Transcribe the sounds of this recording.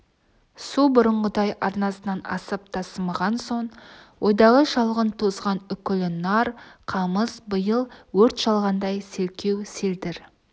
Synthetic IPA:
subʊɾəɴʁəd̪ɑjɑɾnɑsənɑnɑ̰səp̚t̪ʰɑsəmɑʁɑnso̞ɴwo̞jd̪ɑʁəʃɑlˠʁənt̪ʰozʁɑnʏkʲɪlɪnɑɾqʰɑməzbəjəlˠwɵɾt̪ʃɑlˠʁɑnd̪ɑjselkʲʰe̞wseld̪ɪɾ

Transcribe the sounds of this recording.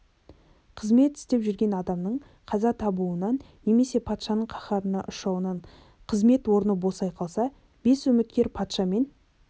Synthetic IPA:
qʰəzme̞t̪ɪ̥st̪e̞pʒʏɾɡʲe̞nɑd̪ɑmnəɴ | qʰɑzɑt̪ʰɑbuənɑn | ne̞me̞se̞pʰɑt̪ʃɑnəɴqʰɑχɑɾənɑʔʊʃɑwənɑɴ | qʰəzme̞t̪wo̞ɾənəbo̞sɑjqʰɑlˠsɑ | b̥e̞sɵmɪt̪̚kʲe̞ɾpʰɑt̪ʃɑme̞n

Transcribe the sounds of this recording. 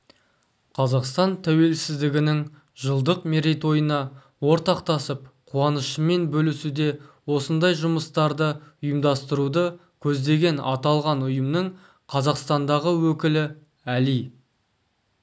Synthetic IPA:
qʰɑzɑqst̪ɑnt̪ʰæwe̞lsɪzd̪ɪɡʲɪnɪŋ | ʒəlˠd̪əqmeɾejt̪wo̞jənɑ | wo̞ɾt̪ɑqt̪ɑsəp̚qʰuɑnəʃəme̞nbɵlɪsud̪e̞wo̞sənd̪ɑjʒʊməst̪ɑɾd̪əʊjəmd̪ɑst̪əɾud̪ə | kʲʰɵzd̪e̞ɡʲe̞nɑ̰t̪ɑlˠʁɑnʊjəmnəɴ | qʰɑzɑqst̪ɑnd̪ɑʁəwɵkʲɪlɪ | ælij

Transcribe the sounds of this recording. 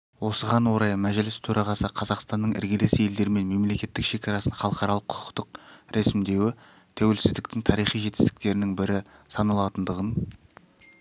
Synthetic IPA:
wo̞səʁɑnwo̞ɾɑjmæʒlɪst̪ʰɵɾɑʁɑsəqʰɑzɑqst̪ɑnːəɴɪ̰ɾɡʲelesje̞ld̪e̞ɾɪme̞nme̞mle̞kʲe̞t̪ːɪkʃe̞kʲɑɾɑsəɴχɑlˠəqɑɾɑlˠəqʰʊ̥qə̥qt̪əq̚ɾʔesɪmd̪e̞wɪ | t̪ʰæwe̞lsɪzd̪ɪkt̪ɪŋt̪ʰɑɾijχijʒe̞t̪ɪ̥st̪ɪ̥k̚t̪e̞ɾɪnɪŋbɪɾɪsɑnɑlˠɑt̪ənd̪əʁən

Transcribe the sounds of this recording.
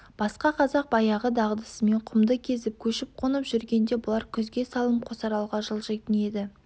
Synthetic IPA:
b̥ɑsqɑqʰɑzɑq̚bɑjɑʁəd̪ɑʁəd̪əsəme̞ɴqʰʊmd̪əkʲʰe̞zɪp̚kʲʰɵʃɪp̚qʰonəpʒʏɾɡʲe̞nd̪e̞bʊlˠɑɾkʲʰʏzɡʲe̞sɑlˠəmqʰosɑɾɑlˠʁɑʒəlˠʒet̪əne̞d̪ɪ

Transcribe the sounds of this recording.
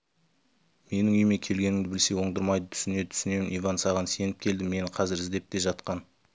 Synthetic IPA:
me̞nɪŋʏjme̞kʲʰe̞lɡʲe̞nɪŋd̪ɪbɪlse̞wo̞ɴd̪əɾmɑjd̪ət̪ʰʏ̥sɪne̞ɪt̪ʰʏ̥sɪne̞mɪnʔivɑnsɑʁɑnse̞nɪp̚kʲʰe̞ld̪ɪme̞nɪqʰɑzɪɾɪzd̪e̞p̚t̪e̞ʒɑt̪qɑn

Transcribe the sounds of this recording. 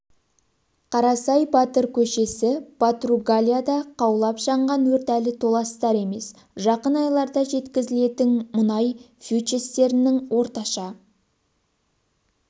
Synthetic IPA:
qʰɑɾɑsɑjbɑt̪əɾkʲʰɵʃe̞sɪpʰat̪ruɡalʲijad̪ɑqʰɑwlˠɑpʒɑɴʁɑnwɵɾt̪ælɪt̪ʰo̞lˠɑst̪ɑɾe̞me̞s | ʒɑqənɑjlˠɑɾd̪ɑʒe̞t̪kʲɪzɪle̞t̪ɪnmʊnɑj | fʲut͡ʃest̪e̞ɾɪnɪŋwo̞ɾt̪ɑʃɑ

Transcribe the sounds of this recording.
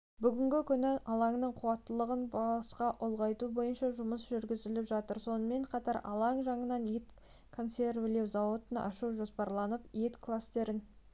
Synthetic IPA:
bʏɡʲɪŋɡʲɪkʲʰʏnɪʔɑlˠɑŋnəɴqʰuwɑt̪ːəlˠəʁənbɑsqɑʔʊlˠʁɑjt̪ubo̞jənʃɑʒʊməsʒʏɾɡʲɪzɪlɪpʒɑt̪əɾso̞nəme̞ɴqʰɑt̪ɑɾɑ̰lˠɑŋʒɑɴənɑnet̪ | kʰo̞nse̞rvlewzɑwot̪ənʔɑ̰ʃuwʒo̞spɑɾlˠɑnəpet̪kʰlˠast̪e̞ɾɪn

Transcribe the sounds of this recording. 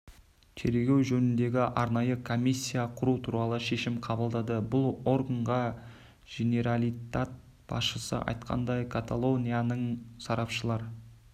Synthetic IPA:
t̪ʰe̞ɾɡʲe̞wʒɵnɪnd̪e̞ɡʲɪʔɑɾnɑjəkʰo̞mʲisʲːijaqʰʊɾut̪ʰuɾɑlˠəʃe̞ʃɪmqʰɑbəlˠd̪ɑd̪əbʊlˠo̞ɾɡəɴʁɑ | ɡ̥ene̞ɾalˠijt̪at̪̚ | b̥ɑ̰sʃəsə̰ʔɑ̰jt̪qʰɑ̰nd̪ɑjkʰat̪alˠo̞nʲijanəɴsɑɾɑpʃəlˠɑɾ

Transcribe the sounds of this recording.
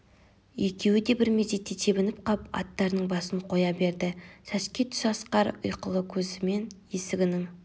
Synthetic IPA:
jekʲʰe̞wɪd̪e̞bɪɾmezet̪ːet̪ʰe̞bɪnɪp̚qʰɑpɑ̰t̪ːɑɾnəɴbɑsənqʰo̞jɑbe̞ɾd̪ɪsæʃkʲet̪ʰʏ̥ʃɑsqɑɾʊ̰jqəlˠəkʲʰɵzɪme̞nje̞sɪɡʲɪnɪŋ

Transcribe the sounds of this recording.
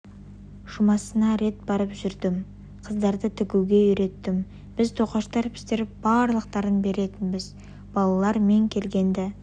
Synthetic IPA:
ʒ̥ʊmɑsənɑɾe̞t̪̚bɑɾəpʒʏɾd̪ɪm | qʰəzd̪ɑɾd̪ət̪ʰʏkʲuɡʲe̞ʏɾe̞t̪ːɪm | b̥ɪzt̪ʰo̞qɑʃt̪ɑɾpʲʰʏ̥st̪eɾɪp̚b̥ɑɾlˠəqt̪ɑɾənbe̞ɾe̞t̪ɪnbɪz | b̥ɑlˠɑlˠɑɾme̞ŋkʲʰe̞lɡʲe̞nd̪ɪ

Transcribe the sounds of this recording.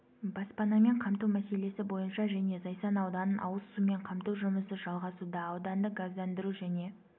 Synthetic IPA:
bɑspɑnɑme̞ɴqʰɑmt̪uwmæse̞le̞sɪbo̞jənʃɑʒæne̞zɑjsɑnɑwd̪ɑnənʔɑ̰wəzsume̞ɴqʰɑmt̪uwʒʊməsəʒɑlˠʁɑsud̪ɑːwd̪ɑnd̪əɡazd̪ænd̪ɪɾuʒæne̞

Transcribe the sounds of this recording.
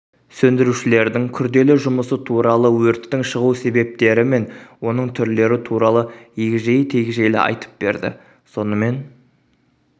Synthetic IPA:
sɵnd̪ɪɾuʃɪle̞ɾd̪ɪŋkʲʰʏɾd̪e̞lɪʒʊməsət̪ʰuɾɑlˠəwɵɾt̪ːɪŋʃəʁuse̞be̞p̚t̪e̞ɾɪme̞nwo̞nəɴt̪ʰʏɾle̞ɾɪt̪ʰuɾɑlˠəjeɡʲɪʒejt̪ʰe̞ɡʲɪʒe̞jlɪ̰ɑ̰jt̪ə̥p̚b̥e̞̰ɾd̪ɪ̰ | so̞nəme̞n

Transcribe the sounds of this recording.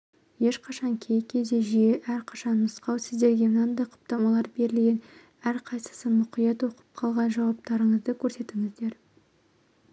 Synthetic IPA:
je̞ʃqʰɑʃɑŋkʲʰe̞jkʲʰe̞zd̪e̞ʒijeʔæɾqʰɑ̥ʃɑnːʊsqɑwsɪzd̪e̞ɾɡʲe̞mənɑnd̪ɑjqʰʊ̥p̚t̪ɑmɑlˠɑɾbe̞ɾɪlɡʲe̞n | æɾqʰɑjsə̥səmʊqijɑt̪wo̞qə̥p̚qʰɑlˠʁɑnʒɑwɑp̚t̪ɑɾəɴəzd̪əkʲʰɵɾse̞t̪ɪŋɪzd̪e̞ɾ

